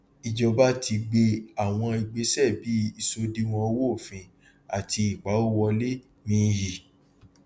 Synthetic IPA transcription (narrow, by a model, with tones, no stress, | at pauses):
i˨d͡ʒɔ˧ba˦ti˧ɡ͡be˧a˨w̃ɔ̃˧i˨ɡ͡be˨˦sɛ˦˨bi˨˦i˧˨so˧di˧w̃ɔ̃˧wo˦o˦˨fĩ˧ | a˨tʰi˧i˨k͡pa˨˦o˦wɔ˧le˦ | nĩ˧˦ji˨